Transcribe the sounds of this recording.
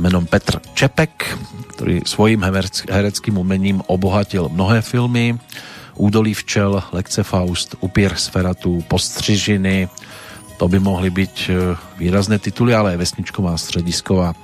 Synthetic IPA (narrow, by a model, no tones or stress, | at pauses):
mɛnompɛt̪rt͡ʃɛpɛkkt̪ɛ̰ɾḭːsvojiːmɦɛɾɛt͡skiːmumɛɲiːmʔoboɦacɪlmnoɦɛːfɪlmɪʔuːdoliːft͡ʃɛllɛkt͡sɛfawst̪ʔupɪɛɾxsfɛɾat̪upost̪r̝̥ɪʒɪnɪ | t̪obɪmoɦlɪbicviːɾaznɛːt̪ɪt̪ulɪalɛavɛsɲɪt͡ʃkomaːst̪r̝̥ɛɟɪskovaː